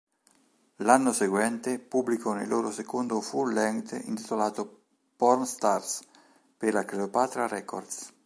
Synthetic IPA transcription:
lanːoseɡwɛnt̪epubːlikʰɔnḛlːoːɾosekond̪ofulɛŋt̪ḭnt̪it̪olaːt̪o | pɔrnst̪ars | peɾlakɾeopaːt̪ɾaɾɛko̰rd̪s

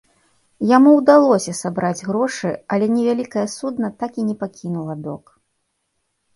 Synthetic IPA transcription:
jamuwd̪alˠɔsʲɐsabɾad͡zʲɣɾɔʂɨɐlʲɛnʲɛvʲalʲikɐjɐsud̪nɐt̪akinʲɛpakʲinulˠɐd̪ɔ̰k

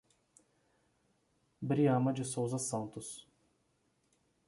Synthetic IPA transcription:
bɾiɐ̃mɐd͡ʒɪsowzɐsɐ̃nt̪ʊs

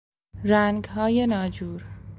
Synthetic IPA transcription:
ɾæŋɡɦɒːjenɒːd͡ʒuːɾ

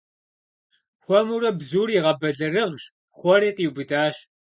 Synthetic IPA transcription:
xʷɔmurɐbzuːɾiʁɐbɐɮɨrɨʁʑ | χʷɔɾiːqiːwbɨdaːɕ

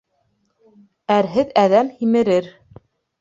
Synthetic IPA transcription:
æɾɦɘðæðæmhimɘ̆ɾɘɾ

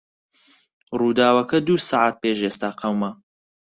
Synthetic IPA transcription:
ruːd̪aːwɐkɐd̪uːsaʕaːt̪̚peːʒeːst̪aːqʰɐwmɐ

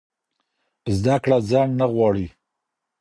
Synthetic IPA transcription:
zd̪akɽad͡zɑnnaɣwɑɽi

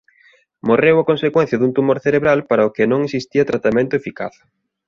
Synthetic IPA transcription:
morewɐkõnsekwɛn̟θjɐðunt̪umoɾθeɾeβɾalpaɾɐokɪnõŋesist̪iɐt̪ɾat̪amẽnt̪ʊefika̰θ

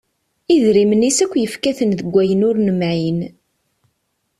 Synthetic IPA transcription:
iðɾimənisækʷːjəfkæθənðəɡʷːæjənʊɾnəmʕin

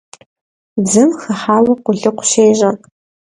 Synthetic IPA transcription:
d͡zɨmχɐħaːwɐqʷʊɮɨqʷʃeːʒɐ

